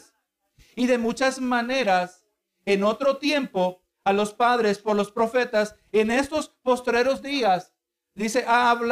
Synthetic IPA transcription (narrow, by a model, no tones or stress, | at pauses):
s | iðe̞mut͡ʃazmane̞ɾas | eno̞t̪ɾo̞t̪je̞mpo̞ | alo̞spaðɾe̞spo̞ɾlo̞spɾo̞fe̞t̪as | ene̞st̪o̞spo̞st̪ɾe̞ɾo̞zd̪ias | d̪ise̞ʔaːβl